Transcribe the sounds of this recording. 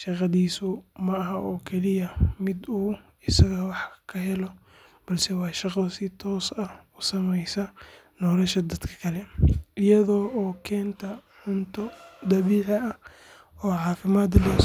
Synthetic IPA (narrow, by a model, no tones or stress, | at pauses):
ʃɑqɑðiːsʊmɐɐɦɐʔɔːkʰɛlɪjɐmɪd̪uː | ɪsɐɣɐwɑħkʰɐɦɛlɔ | b̥ɐlsɛwɑːʃɑqɐsɪt̪ʰɔːsɐʊsɐmɛjsɐ | nɔːlɐʃɐd̪ɐd̪̥kʰɐ̥kʰɐlɛʔɪjɐðɔːɔːkʰɛːnt̪ʰɐʕʊnt̪ʰɔd̪ɐβiːʕɪɐ | ɔːʕɑːfɪmaːd̪lɛ